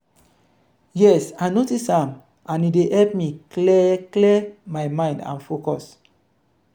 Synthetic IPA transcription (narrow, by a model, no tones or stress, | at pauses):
jɛsajnotisãm | ãnidehɛlp̚miklɛklɛmajmãj̃ndã̰nfokɔs